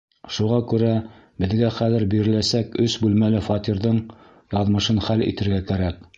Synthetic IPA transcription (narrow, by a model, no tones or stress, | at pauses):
ʃuʁɑkʉɾæ | bɘ̆ðɡæχæðɘ̆ɾbiɾɘ̆læsækɵsbʉlmælɘfɑt̪iɾðɤɴ | jɑðmɤ̆ʃɤnχælḭt̪ɘ̆ɾɡækæɾæk̚